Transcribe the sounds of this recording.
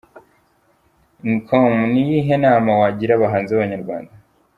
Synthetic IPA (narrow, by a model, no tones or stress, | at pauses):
nkʰomnijiɦenaːmawaɟiɾaβaɦaːnziaβaɲaɾɡwa̰ːnda